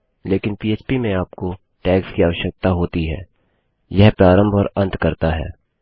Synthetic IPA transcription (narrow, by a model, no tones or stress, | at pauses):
leːkɪnpiːeːt͡ʃpimẽaːp̚ko | ʈɛːkskiaːʋəʃək̚t̪aɦoːt̪iɦɛ̰ː | jɛɦpɾaːɾə̃mbʱɔːɾɐ̃nt̪ʰkɐɾt̪aɦɛ̰ː